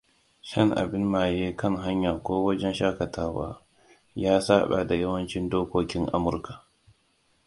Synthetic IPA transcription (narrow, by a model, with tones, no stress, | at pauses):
ʃɐ˦ŋʔa̰˨bɪ˦nːaː˨jeː˦kɐ˦ŋɦa˦ɲjaː˨kʷoː˦wɐ˦d͡ʒɛ˦nʃaː˦kɐ˨tʰaː˦wa̰ː˦ | jaː˦saː˦ɓa̰˨da˨jɐ˦wɐ˦nt͡ʃɪ˦ndoː˦kʷoː˦kʲɪ˦ŋʔa̰˦mʊ˨rka˨